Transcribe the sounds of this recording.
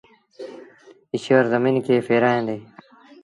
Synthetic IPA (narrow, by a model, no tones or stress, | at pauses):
ɪɕəɾzəmiːnkʰeːfeːɾaːẽːnd̪eː